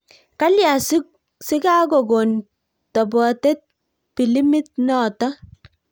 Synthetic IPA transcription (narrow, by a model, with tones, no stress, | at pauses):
ka˦lja˨su˦k̚ | sɪ˦ka˦ɡɔ˨ɡo˨n | tɔ˨bɔ˨te˦t̚ | pi˨li˦mɪ˦t̚nɔ˦˨tɔ˦